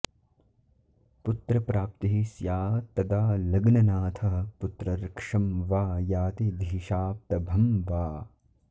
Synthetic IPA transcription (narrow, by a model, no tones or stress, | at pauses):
put̪ɾɐpɾaːp̚t̪iɦisjaːt̪ɐd̪aːlɐɡnɐnaːt̪ʰɐɦɐ̆put̪ɾɐɾɐkʂɐmʋaːjaːt̪id̪ʱiːʃaːp̚t̪ɐbʱɐmʋaː